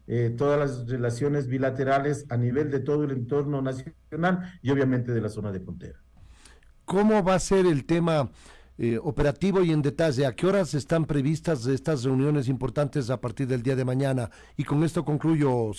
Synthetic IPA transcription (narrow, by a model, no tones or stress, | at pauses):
et̪oðalazrelasjo̞nezβilat̪eɾale̞saniβe̞ld̪e̞t̪oðoelent̪o̞ɾnonasjonalioβjament̪eðelaso̞naðepont̪eɾa | ko̞mo̞βase̞ɾelt̪e̞maeope̞ɾat̪iβo̞ie̞nd̪e̞t̪aʝe̞akeo̞ɾase̞st̪ampɾe̞β̞ist̪azðeest̪asre̞unjo̞ne̞s̬impo̞ɾt̪ant̪e̞s̬apaɾt̪iɾðe̞ld̪iað̞e̞maɲana | iko̞ŋe̞st̪o̞ko̞ŋkluʝo̞